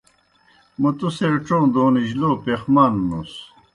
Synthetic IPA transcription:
mɐt̪useːʈ͡ʂõːd̪oːniʑloːpexmaːnnus

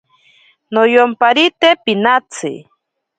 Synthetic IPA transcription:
nojompaɾit̪epinat͡sʰɪ̰

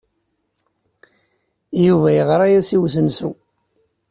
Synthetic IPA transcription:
juvæjəʁɾˤæjæsiwsəmsu

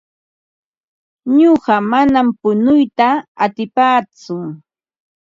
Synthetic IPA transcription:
ɲoɢɑmanampʊnʊjt̪aːt̪ɪpaːt͡sʊŋ

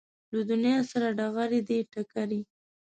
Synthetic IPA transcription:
lad̪ʊnjɑsaɾaɖaɣaɾed̪eʈakaɾi

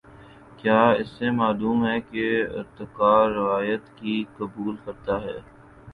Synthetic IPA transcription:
kjaːɪsːemaːluːmɦɛːkeɪ̰ɾt̪ɪkaːɾɪʋaːjət̪kikɐbuːlkɐɾt̪aɦɛː

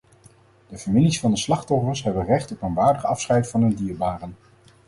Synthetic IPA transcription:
d̥əfamilisfɑndəslɑχtɔfəɹsɦɛbənrɛχtɔpənʋaːɹdəχɑfsχɛjtfɑnɵndiːɹbaːrən

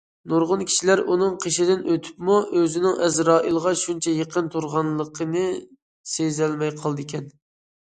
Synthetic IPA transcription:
noɾʁʊnkʲʰi̥ʃilæɾunɨŋqʰeʃɪd̪ɪnʔøt̪ʰy̥pmuʔøzɪnɪŋʔɛzɾɑːʔilˠʁɑʃunt͡ʃʰɛjeqʰənt̪ʰuɾʁɑnlˠəqʰənɨ | sezɛlmɛjqʰɑlˠd̪ɨkʲʰɛn

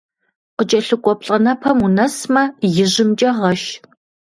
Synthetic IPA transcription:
qət͡ʃʼɐɬɨkʷʼɔpɬʼɐnɐpʰɐmunɐsmɐjɪʑɪmd͡ʒʼɐʁɐʃ

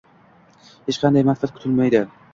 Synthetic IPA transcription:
het͡ʃqʰɑnd̪ajmasfat̪̚kʰʊ̥t̪ʰɪlmajd̪ɪ

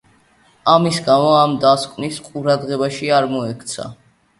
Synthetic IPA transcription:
amisɡamɔamd̪askʼnisqʼuɾad̪ʁɛbaʃiaɾmɔɛkʰt̪sʰa̰

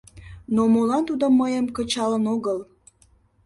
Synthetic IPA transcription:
nomolɑnt̪ud̪omːəjəmkət͡ɕɑlənoɣəl

